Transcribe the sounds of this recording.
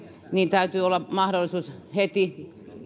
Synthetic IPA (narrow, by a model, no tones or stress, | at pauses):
niːnt̪æyt̪yːolːɑmɑhɾolːˑisuːshet̪i